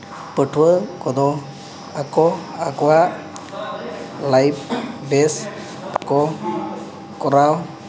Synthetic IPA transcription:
pəʈʰuəkɔd̪ɔ | akɔakɔwa | lajp̚ʰbes | pakɔ | kɔɾaw

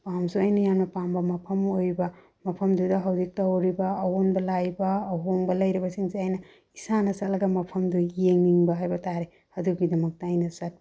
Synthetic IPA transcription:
pamsuɐjnɐjamnɐpambɐmɐpʰɐmojbɐ | mɐpʰɐmdudɐɦɐwzik̚tɐwɾibɐːɦonbɐlajbɐːɦoŋbɐlɐjɾibɐsiŋseajnɐ | isanɐsɐtlɐɡɐmɐpʰɐmdujeŋniŋbɐɦajbɐtaɾe | ɐduɡidɐmɐk̚tɐajnɐsat̚

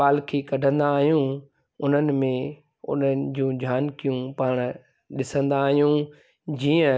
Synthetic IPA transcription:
aːlkʰeːkɐɖʱə̃nd̪aːɦijũ | ʊn̤ənɪ̆mẽ | ʊ̰n̤əd͡ʑũːd͡ʑʱjaːnkijũpaːɽ̃ | ɗɪsə̃nd̪aːɦijũ | d͡ʑiːə̃

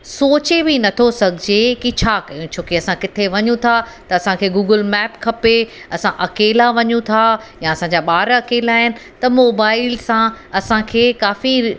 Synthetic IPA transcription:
soːt͡ɕebinɐt̪ʰosɐɡʱɪd͡ʑekit͡ɕʰaːkɐjũt͡ɕʰoːkeɐsãkɪt̪ʰeʋɐɲũt̪ʰa | t̪ɐɐsãkʰeːɡuːɡəlmɛːpkʰɐpeɐsãʔɐkeːlaʋɐɲũt̪ʰajãɐsãːɲd͡ʑaɓaːɾɐkeːlaːɦɪnɪ̆ | t̪ɐmoːbaːɪlsãɐsãkʰeːkaːfi

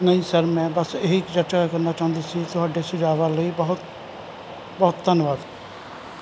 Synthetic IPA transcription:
nəɦĩːsəɾmɛ̃ːbəseɦikd͡ʒət͡ʃakəɾnaːt͡ʃaːɦʊ̃nd̪iːsiːt̪ʊɦaːɖeːsɪd͡ʒaːʋaːləibəɦʊt̪ | bɔɦt̪ːənʋaːd̪ɛ

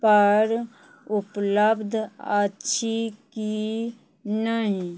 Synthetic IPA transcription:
pəɾ | ʊpləbd̪ʱatːʃʰiki | nəɦĩ

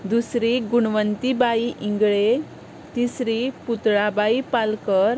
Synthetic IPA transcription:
d̪usɾiɡuɳʋənt̪ibaiʔiŋɡɭe | t̪isɾiput̪ɭabaipalkəɾ

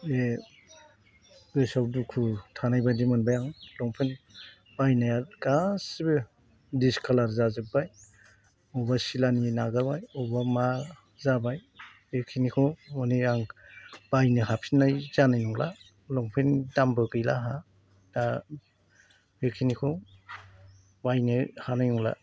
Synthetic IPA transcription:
e | ɡɯsawdukʰutʰanajbajdimɯnbajaŋlɔŋpʰen | b̥ajnajakasibɯ | diskʰalaɾzazɯbaj | ɔbasilaninaɡabajɔbama | zabaj | bekʰinikʰɔɔniaŋb̥ajnɯɦapʰinːajz̥anajnuŋla̰ | lɔŋpʰindambɯɡɯjlaɦa | da | bekʰinikʰɔ | bajnɯhanajnɔŋla̰

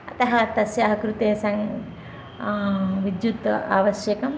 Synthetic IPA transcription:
ɐt̪ɐɦɐt̪ɐsjaːɦɐkɾut̪eːsɐŋ | ʋid̪jut̪ɐaːʋɐʃjɐkɐm

